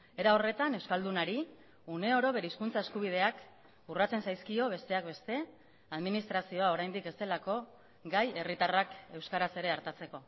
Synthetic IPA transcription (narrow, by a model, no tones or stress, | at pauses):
e̞ɾao̞re̞t̪ane̞wskald̪unaɾi | une̞o̞ɾo̞βe̞ɾeiskunt͡sae̞skuβ̞ið̞e̞ak | urat͡se̞nsajskio̞βe̞st̪e̞akbe̞st̪e̞ | aðminist̪ɾasio̞ao̞ɾajnd̪ike̞st̪e̞lako̞ | ɡaje̞rit̪arake̞wskaɾase̞ɾe̞aɾt̪at͡se̞ko̞